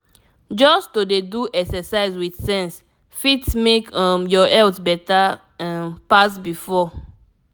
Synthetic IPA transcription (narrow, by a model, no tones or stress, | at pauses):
d͡ʒɔstodeduʔɛksɛsaɪzwiθsɛ̃ns | fitmekɔ̃mjɔɛltbɛta | mpas̬bifɔ